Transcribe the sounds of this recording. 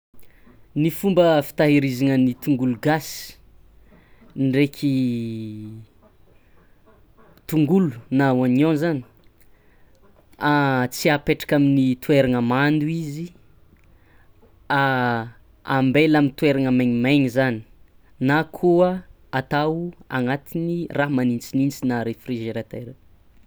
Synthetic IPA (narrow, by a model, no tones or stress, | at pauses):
nifumbəfi̥t̪aɦiɾizanənit̪uŋɡuluɡasi̥ | nɖ͡ʐekʰʲi | t̪uŋɡulu̥nauanõzani̥ | at͡siapeʈ͡ʂḁkaminit̪ueɾanəmand̪uizi | a | ambelamint̪weɾanamaɲimajɲizani̥ | nakʰuə | at̪awa̰ŋat̪iniramanint͡sinint͡sinaɾefriʒeɾat̪aɾe